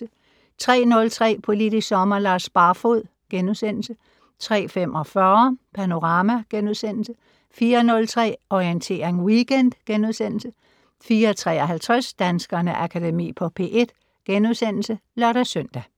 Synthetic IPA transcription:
ə | t͡sʰʁɛ̰ːnɔ̽lt͡sʰʁɛ̰ːpʰo̝lid̥issɒ̽mɐlɑ̈ːsb̥ɑ̈ːfoð̰ˠ | ɡ̥enuðˠsen̰l̩sə | t͡sʰʁɛ̰ːfem̰ʔɒ̽fɶɐpʰæno̝ʁɑ̈ːmæɡ̥enuðˠsen̰l̩sə | fiːɐnɔ̽lt͡sʰʁɛ̰ːɒient͡sʰe̝̰ːɐʁeŋwiɡ̥end̥ɡ̥enuðˠsen̰l̩sə | fiːɐt͡sʰʁɛ̰ːɒɦælt͡sʰʁɛsd̥ænsɡ̥ɐnəʔækʰædemḭːpʰɒ̽pʰe̝̰ːʔe̝d̥ | ɡ̥enuðˠsen̰l̩səlɒɾ̥æsœn̰d̥æ

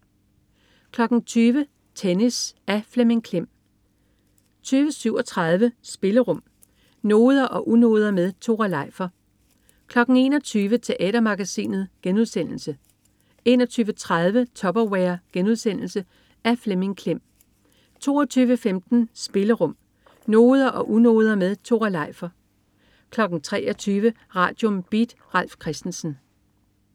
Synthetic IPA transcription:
kʰlɒ̽ɡ̥n̩t͡sʰyːʋə | t͡sʰenisæfleme̝ŋkʰlem̰ | t͡sʰyːʋəsyʊ̰ɒ̽t͡sʰʁɑ̈ð̞ˠʋəsb̥e̝ləʁɔ̽m̰ | no̝ːð̞ˠɐʔɒ̽ʔuno̝ːð̞ˠɐmeðˠt͡sʰo̝ʁɑlɑ̈ɪ̰fɐ | kʰlɒ̽ɡ̥n̩e̝ːnɒ̽t͡sʰyːʋət͡sʰe̝ʔɛ̰ːd̥ɐmɑ̈ɡ̥æsḭːnð̞̩ˠɡ̥enuðˠsen̰l̩sə | e̝̰ːnɒ̽t͡sʰyːʋət͡sʰʁað̞ˠʋət͡sʰɒ̽b̥ɐweɐɡ̥enuðˠsen̰l̩sə | æɐfleme̝ŋkʰlem̰ | t͡sʰo̝̰ːɐt͡sʰyːʋəfemd̥n̩sb̥e̝ləʁɔ̽m̰ | no̝ːð̞ˠɐʔɒ̽ʔuno̝̰ːð̞ˠɐmeðˠt͡sʰo̝̰ʁɑlɑ̈ɪ̰fɐ | kʰlɒ̽ɡ̥n̩t͡sʰʁɛ̰ːʔɒt͡sʰyːʋə | ʁɑ̰̈ːd̥jɔ̽mb̥id̥ʁal̰fkʰʁɛsd̥n̩sn̩

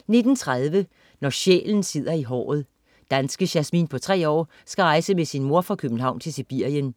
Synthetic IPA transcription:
ne̝d̥n̩t͡sʰʁað̞ˠʋə | nɒɕḛːln̩se̝ð̰ˠɐiɦɒ̰ːð̞̩ˠ | d̥ænsɡ̥əɕæsmḭːnpʰɒ̽t͡sʰʁɛ̰ːɒ̰ː | sɡ̥æʁɑ̈ɪsəmesinmo̝ɐfʁɑ̈kʰøb̥n̩ɦɑ̈ʊnt͡sʰe̝lsib̥iɐ̰jən

